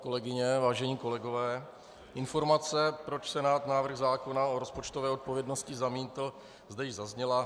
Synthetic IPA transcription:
ko̞lɛɡɪɲɛvaːʒɛɲiːko̞lɛɡo̞vɛː | ʔɪnfo̞ɾmat͡sɛpɾo̞t͡ʃsɛnaːt̪naːvr̩ɣzaːko̞naoɾo̞spo̞t͡ʃt̪ovɛːo̞t̪̚po̞vjɛdno̞scɪzamiːt̪l̩ | zd̪ɛjɪzazɲɛla

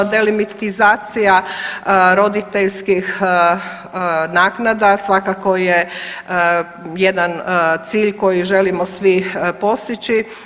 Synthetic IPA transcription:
d̪e̞limit̪izaːt̪sija | ɾo̞d̪it̪eʎskix | naːknad̪asʋakakoje | jed̪ant̪siːʎko̞jiʒe̞limosʋipo̞st̪it͡ʃi

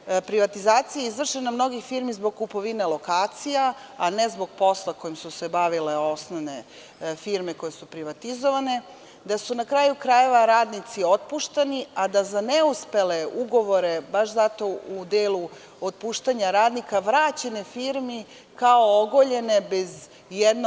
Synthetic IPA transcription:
pɾiʋat̪izaːt̪sijaizʋr̩ʃenamno̞ɡixfiɾmizboɡ̚kːupo̞ʋinelo̞kaːt̪sijaane̞zbo̞ɡ̚po̞slˠakojimsuse̞baʋile̞o̞snoʋne̞ | fiɾme̞ko̞je̞supɾiʋat̪izoʋane̞ | d̪asunakɾaːjukɾaje̞ʋaɾaːd̪nit̪sio̞t̪̚puːʃt̪aniad̪azaneuspe̞leuɡo̞ʋo̞ɾe̞baʃzat̪o̞ud̪eːlu | ot̪̚puːʃt̪aɲaɾaːd̪nikaʋɾaːt͡ɕe̞nefiːɾmi | kao̞oɡoʎe̞ne̞bez | jed̪n

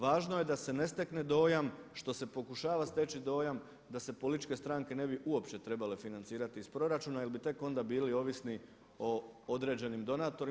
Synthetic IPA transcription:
ʋaːʒno̞je̞d̪ase̞ne̞st̪e̞kne̞d̪o̞ːjamʃt̪o̞se̞po̞kuʃaːʋast̪e̞ːt͡ɕid̪o̞ːjam | d̪ase̞polit̪it͡ʃke̞st̪ɾaːŋke̞ne̞biʔuo̞pʃt͡ʃe̞t̪ɾe̞bale̞finant̪siːɾat̪iːspɾo̞ɾat͡ʃuːnajelbit̪e̞ko̞nd̪abiːlio̞ʋisni | o̞od̪ɾe̞ːd͡ʑe̞nimd̪o̞naːt̪o̞ɾi

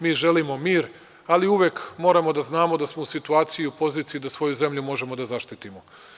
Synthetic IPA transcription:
miːʒe̞limo̞miːɾ | aliuʋekmo̞ːɾamo̞d̪aznaːmo̞d̪asmo̞usit̪uaːt̪sijiupo̞ziːt̪sijid̪asʋo̞juze̞mʎumo̞ʒe̞mod̪azaʃt̪it̪imo

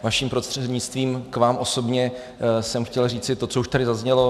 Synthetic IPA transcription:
vaʃiːmpɾost̪r̥ɛdɲɪt͡st̪viːmkvaːmʔo̞so̞bɲɛ | sɛmxcɛlriːt͡sɪt̪o̞t͡souʃt̪aɾɪzazɲɛlo̞

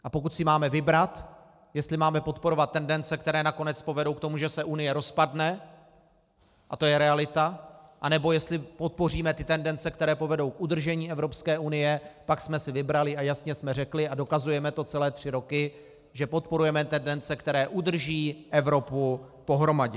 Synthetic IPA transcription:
ʔapo̞kut̪sɪmaːmɛvɪbɾat̪ | jɛst̪lɪmaːmɛpo̞t̪po̞ɾo̞vat̪̚tːɛndɛnt͡sɛk̚t̪ɛɾɛːnako̞nɛt͡spo̞vɛdo̞wk̚t̪o̞muʒɛsɛʔunɪjɛɾo̞spadnɛ | ʔat̪ojɛɾɛalɪt̪aʔanɛbo̞jɛst̪lɪpo̞t̪̚po̞riːmɛt̪ɪt̪ɛndɛnt͡sɛkt̪ɛɾɛːpo̞vɛdo̞wkʔud̪r̩ʒɛɲiːɛvɾo̞pskɛːʔunɪjɛpaksmɛsɪvɪbɾalɪajasɲɛsmɛrɛklɪado̞kazujɛmɛt̪o̞t͡sɛlɛːt̪r̝̥ɪɾo̞kɪ | ʒɛpo̞t̪po̞ɾujɛmɛt̪ɛndɛnt͡sɛkt̪ɛɾɛːʔud̪r̩ʒiːʔɛvɾo̞pu | po̞ɦɾo̞maɟɛ

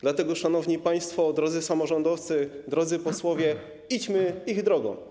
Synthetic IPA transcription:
d̪lat̪ɛɡɔʂanɔvɲipaj̃st̪fɔd̪ɾɔd̪zɘsamɔʐɔnd̪ɔft̪sɘd̪ɾɔd̪zɘpɔswɔvʲjɛ | it͡ɕmɘiɣd̪ɾɔɡɔ̰̃w̃

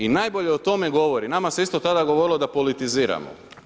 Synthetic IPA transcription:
inaːjbo̞ʎeot̪o̞meɡo̞ʋo̞ɾinamase̞ist̪o̞t̪ad̪aɡoʋoɾilˠo̞d̪apo̞lit̪iziːɾa̰mo̰

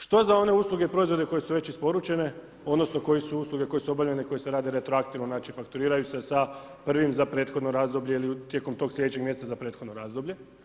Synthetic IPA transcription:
ʃt̪o̞zao̞ne̞uːslˠuɡeipɾo̞izʋod̪e̞ko̞je̞suʋe̞t͡ɕispo̞ɾut͡ʃe̞ne̞ | o̞d̪no̞sno̞ko̞jesuuːslˠuɡe̞ko̞jesuo̞bavʎeneko̞jese̞ɾaːd̪eɾe̞t̪ɾoakt̪iʋnonaːt͡ʃifakt̪uɾiːɾajuse̞sa | pr̩ʋimzapɾe̞ːt̪xod̪noɾaːzd̪o̞bʎe̞ilit̪je̞komt̪o̞ːɡslʲʎed̪et͡ɕe̞ɡmʲjest̪azapɾe̞ːt̪xod̪noɾaːzd̪o̞bʎe̞

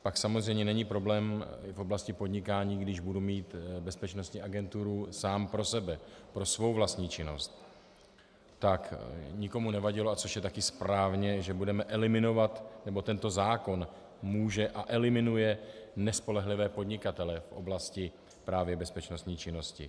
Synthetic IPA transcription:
paksamozrɛjmɲɛnɛɲipɾo̞blɛːmfʔo̞blascɪpo̞dɲɪkaːɲiːɡdɪʒbudumiːt̪bɛspɛt͡ʃnost̪ɲiːaɡɛnt̪uɾusaːmpɾo̞sɛbɛpɾo̞svo̞wvlast̪ɲiːt͡ʃɪno̞̰st̪ | t̪akɲɪko̞munɛvaɟɪloat͡so̞ʃjɛt̪akɪspɾaːvɲɛʒɛbudɛmɛʔɛlɪmɪno̞vat̪nɛbo̞t̪ɛnt̪o̞zaːko̞n | muːʒɛʔaʔɛlɪmɪnujɛnɛspo̞lɛɦlɪvɛːpo̞dɲɪkat̪ɛlɛfʔo̞̰blascɪ | pɾaːvjɛbɛspɛt͡ʃnost̪ɲiːt͡ʃɪno̞scɪ̰

